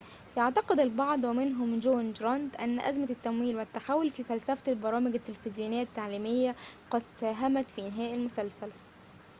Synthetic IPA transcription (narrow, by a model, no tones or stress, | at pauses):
jɑʕt̪ɑqed̪albɑʕd̪ˤwæmɪnɦʊmd͡ʒoːnd͡ʒɾˤɑnd̪ʔæ̰nːæʔæ̰zmæt̪ːæmwiːlwɪt̪ːaħawːolfiːfælsæfælbɑɾˤɑːmɪɡæt̪ːelfɪzjuːnɪjːat̪ːaʕliːmɪjːæqɑd̪sæːɦæmæt̪fiːʔɪnɦæːʔɪlmʊsælsælæ